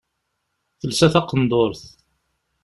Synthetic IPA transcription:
θəlsæθɑqənd̪oɾθ

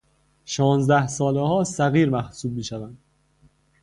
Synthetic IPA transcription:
ʃɒːnzd̪æhsɒːlehɒːsæɣiːɾmæhsuːb̚miːʃævænd̪̥

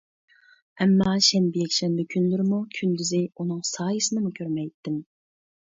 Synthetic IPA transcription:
ɛmːɑʃɛnbɪjɛkʲʃɛnbɪkʲʰynlyɾɪmukʲʰynd̪yzɪunɨŋsɑːjisɨnɨmukʲʰøɾmɛjt̪ʰːɪm

